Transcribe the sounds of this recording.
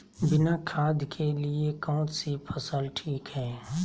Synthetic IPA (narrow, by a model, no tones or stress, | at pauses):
bɪnakʰaːd̪kʰeliekɔ̃ːt̪sipʰəsəlʈʰiːkɦɛː